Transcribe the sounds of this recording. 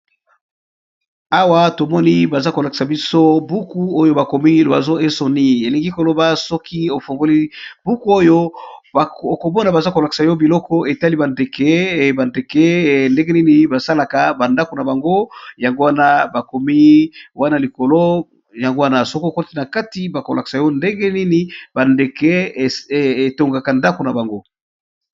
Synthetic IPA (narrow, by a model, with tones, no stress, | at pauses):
a˦wa˦to˨mɔ˦ni˦ba˨za˦ko˨la˨ki̥˨sa˨bi˦so˦bu˦ku˦o˦jo˦ba˨ko˨mi˦ba˨zo˦e˦so˨ni˦e˨li˨ŋɡi˦ko˨lo˨ba˦sɔ˦kʰi˦o˨fo˨ŋɡo˦li˦bu˦ku˦o˦jo˦˨ | o˨ko˨mɔ˦na˨ba˨za˦ko˨la˨ki̥˨sa˨jɔ˦bi˨lɔ˦kɔ˦ʔe˨ta˦li˦ba˨nde˨kɛ˦ba˨nde˨kɛ˦nde˦ɡe˦ni˦ni˦ba˨sa˦la˨ka˨ba˨nda˦ko˨na˨ba˨ŋɡo˦ja˨ŋɡo˦wa˦na˦ba˨ko˨mi˦wa˦na˨li˨ko˨lo˦ | ja˨ŋɡo˦wa˦na˨so˦ko˨ko˦ti˦na˨ka˦ti˦ba˨ko˨la˨ki̥˨sa˨jo˦nde˦ɡɛ˦ni˦ni˦ba˨nde˨kɛ˦˨ | e˨to˨ŋɡa˨ka˨nda˦ko˨na˨ba˨ŋɡo˦